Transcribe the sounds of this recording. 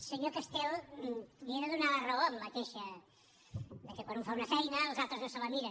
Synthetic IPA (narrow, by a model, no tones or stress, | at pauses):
seɲokast̪ɛl | βieðəðunalaraommat̪eʃɐ | d̪əkekwanũɱfaunɐsɛjnɐlzalˠt̪ɾoznosəlamiɾa